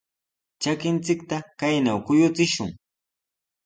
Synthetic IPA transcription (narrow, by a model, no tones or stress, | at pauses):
t͡ʃakɪnt͡sɪkt̪akajnawkʊjʊt͡sɪʃʊŋ